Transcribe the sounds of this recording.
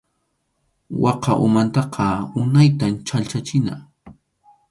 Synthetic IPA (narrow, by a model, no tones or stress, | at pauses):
wɑqɑʔʊ̰mant̪ɑqʰɑʊnajt̪amt͡ʃalt͡ʃat͡ʃɪna̰